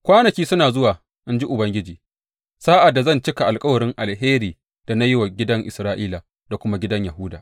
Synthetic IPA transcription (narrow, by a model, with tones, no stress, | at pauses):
kʷaː˦nɐ˨kʲiː˦sʊ˦naː˨zʊ˦waː˨ | ʔɪ˦nd͡ʒi˦ʔʊ˨bɐ˦ŋɡʲɪ˦d͡ʒiː˨ | saː˦ʔa˨dːa˨zɐ˦˨nt͡ʃɪ˦ka˨ʔa˨lkʼɐ˦wɐ˨ɾɪ˦ŋʔa˨lɦeː˦ɾiː˨ | d̥a˨na˦jɪ˦wa˨ɡʲɪ˦dɐ˦ŋʔɪ˨sɾaː˦ʔiː˦la˨ | da˨kʷʊ˦ma˦ɡʲɪ˦dɐ˦ɲja˨ɦʊ˦daː˨